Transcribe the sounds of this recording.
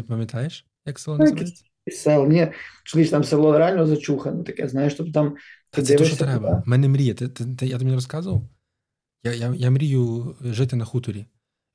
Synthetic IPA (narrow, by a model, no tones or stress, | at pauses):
pəmʲɪt̪ʰajɪʂ | jaksɛlˠʲ | sɛlˠmnʲeslʲiʃt̪amsɐvlˠoɾanʲɪozɐt͡ɕuxənət̪ɐkja̰znajɪʂt̪obt̪amt̪d̪ʲeɾabmɛnʲɨmɾʲijət̪ɨt̪ɨt̪ɨjat̪ɨɪmʲnʲɛɾɐskazəvəlˠ | jajajamɾʲijuʐɛt̪ʲənɐxut̪ʊɾʲɪ